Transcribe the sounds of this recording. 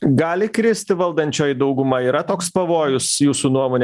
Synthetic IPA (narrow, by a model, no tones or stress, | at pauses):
ɡɑːlʲɪkɾʲɪsʲt̪ʲɪʋɐlˠd̪ɐnʲt͡ʃʲoːjd̪ɐʊɡʊmɐiːɾɐt̪oːkspɐʋoːjʊsjuːsuːnuɔmoːnʲ